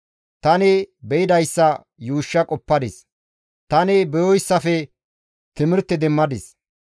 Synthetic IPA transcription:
t̪ɐnɪbɛjɪd̪ɐjsːɐ | juːʃːɐkʼɔpːɐd̪ɪs | t̪ɐnɪbɛjɔjɪsːɐfɛ | t̪ɪmɪɾt̪ːɛd̪ɛmːɐd̪ɪs

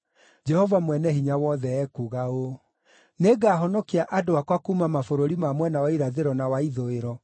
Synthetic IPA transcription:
d͡ʒɛhɔvamwɛnɛhiɲawɔðɛɛkuɣao | neɡaːɦɔnɔkiaʔadoakwakuːmamafoɾoɾimamwɛnawaiɾaðeɾɔnawaiðoeɾɔ

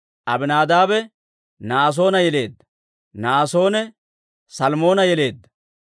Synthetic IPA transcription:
ʔɐbɪnaːd̪aːbɛ | naːs̬o̞ːnɐjɛle̞ːd̪ːɐ̥ | naːso̞ːnɛ | sɐlmo̞ːnɐjɛle̞ːd̪ːɐ̥

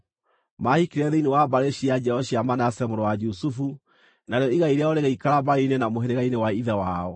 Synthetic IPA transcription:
mahikiɾɛðeinewabaɾeɕiad͡ʒɛɔɕiamanasɛmoɾowad͡ʒusufu | naɾeɔiɣaiɾeaɔɾeɣaikaɾabaɾeinenamoɦeɾeɣainewaiðɛwaɔ

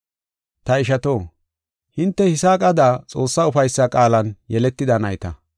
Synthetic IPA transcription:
t̪ɐɪʃɐt̪o̞ː | hɪnt̪ːɛhɪsaːkʼɐd̪aːt͡sʼo̞ːsːaʊfɐjsːɐkʼaːlɐnjɛlɛt̪ːɪd̪ɐnɐjt̪ɐ̰

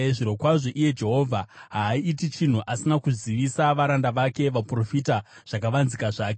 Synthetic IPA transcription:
ʐiɾo̞kwaʐo̞ʔije̞d͡ʒe̞ɦo̞ːvʱaɦaːiːtit͡ʃin̤uʔasinakuziʋisaʋaɾandaʋake̞ʋapro̞fita | ʐ̥akaʋanzikaʐaːke

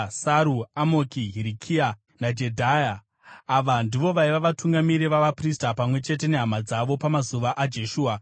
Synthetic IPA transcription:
saɾuamokiɦiɾikʰia | nad͡ʒe̞dʱajaː | ʋandiʋo̞ʋaiʋaʋatuŋɡamiɾiʋaʋapristapamwe̞t͡ʃe̞t̬e̞ne̞ɦamad͡zaʋo̞pamazuʋaʔad͡ʒe̞ʃuːa

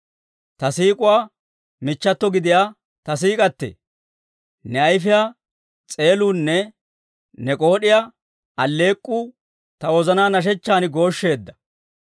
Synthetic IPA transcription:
t̪ɐsiːkʼʊwaː | mɪt͡ʃːɐt̪ːɔɡɪd̪ɪjaː | t̪ɐs̬iːkʼɐt̪ːḛː | nɛɐjfɪjaː | t͡sʼe̞ːluːnːɛ | nɛkʼoːɗɪja | ɐlːe̞ːkʼːuː | t̪ɐwɔzɐnaːnɐʃ̬ɛt͡ʃːaːnɪɡo̞ːʃːe̞ːd̪ːɐ̥

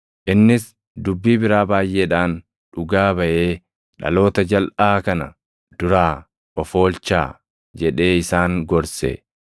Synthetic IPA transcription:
ʔɪnːɪs | d̪ʊbːiːbɪɾaːbaːjʔeːᶑaːn | ᶑʊɡaːbɐʔe̞ː | ᶑɐ̰lo̞ːt̪ɐd͡ʒɐlʔaːkɐnɐ | d̪̥ʊɾaː | ʔɔfo̞ːlt͡ʃːa̰ː | d͡ʒɛᶑe̞ːɪsaːŋɡɔɾsɛ̰

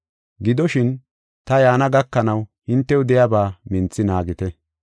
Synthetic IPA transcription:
ɡɪd̪ɔʃɪn | t̪ɐjaːnɐɡɐkːɐnɐwhɪnt̪ːɛʊd̪ɛjabaːmɪnt͡sːɪnaːɡɪt̪ɛ

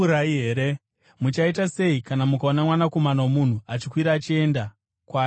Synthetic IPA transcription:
ɾaiɦeːɾe | mut͡ʃaitase̞ikanamukaonamwanako̞manawomun̤uat͡ʃikwiɾaːt͡ʃie̞nda | kwaː

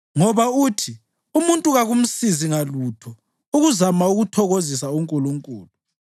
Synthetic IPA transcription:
ŋɔβautʰi | umuntʼuɣaɣum̩siziŋalutʰɔ | uɣuzamauɣutʰɔɣozisauŋkʼuluŋkʼṵːlu

